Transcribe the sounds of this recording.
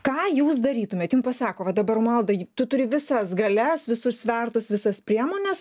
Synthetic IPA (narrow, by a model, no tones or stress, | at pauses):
kɑːjuːsd̪ɐɾʲiːt̪ʊmʲeːt̪juːmpɐsɑːkoːʋɐd̪ɐbɐɾmɐlˠd̪ɐt̪ʊt̪ʊɾʲɪʋʲɪsɐsɡɐlʲɛsʋʲɪsʊssʲʋʲɛrt̪ʊsʋʲɪsɐspʲɾʲiɛmoːnʲɛs